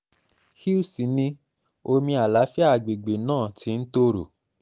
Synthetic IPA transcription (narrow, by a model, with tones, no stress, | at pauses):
hi˦u˦˨si˨nĩ˧ | o˧mĩ˧a˨la˨˦fi˦a˦˨ɡ͡be˨ɡ͡be˨nãː˦˨ti˧˦n̩˦to˦ɾo̰˨